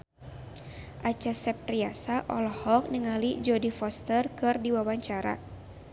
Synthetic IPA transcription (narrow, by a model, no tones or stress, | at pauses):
ʔat͡ʃasɛp̚riasaʔɔlɔhɔk̚nəŋalid͡ʒɔdifɔst̪ərkɨrdiwawaɲt͡ʃaɾa̰